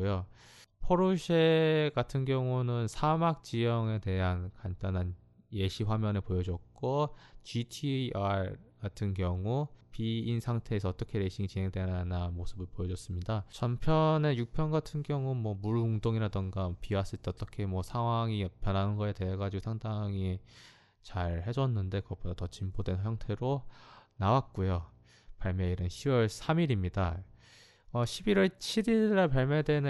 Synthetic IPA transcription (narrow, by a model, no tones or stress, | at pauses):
jo | pʰʌɾoɕʰeɡatʰɯnɡjʌŋunɯnsʰamak̚t͡ɕ͈ijʌŋe̞te̞ɦankant͈anɦan | je̞ɕʰiɸwamjʌnepojʌd͡ʑʌk̚k͈ot͡ɕitʰiaɡatʰɯnkjʌŋupiinsʰaŋtʰe̞ːsʰʌːt͈ʌkʰe̞ɾe̞ɕʰiŋit͡ɕinɦe̞ŋdwe̞nananmosʰɯbɯɭpojʌd͡ʑʌs͈ɯmɲidat͡ɕʌmpʰjʌne̞juk̚pʰjʌnɡatʰɯnɡjʌŋumwʌmuɭoŋdoŋiɾadɯŋɡapias͈ɯɭt͈ʰeʌt͈ʌkʰe̞mwʌsʰaŋɦwaŋipjʌnɦanɯnɡʌete̞ːɡad͡ʑiɡosʰaŋdaŋi | t͡ɕaɭhe̞d͡ʑʌnːɯnde̞kɯɡʌp͈odatʌt͡ɕimbodwe̞nçjʌŋtʰe̞ɾonawat̚k͈ojo | paɭmjʌiɾɯnɕʰiwʌɭsʰamiɾimɲida | ʌɕʰibiɾwʌɭt͡ɕʰiɾiɭːaɭpaɭmjʌdwe̞nɯ